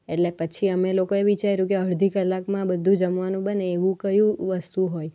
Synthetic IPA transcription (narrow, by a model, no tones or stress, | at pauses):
eʈlepət͡ʃʰiəmelokoeʋit͡ʃajɾũkeəɭd̪ʱikəlːakmãbəd̪ʱːũd͡ʒəmʋanũbəneːʋũkəjũʋəst̪uɦoj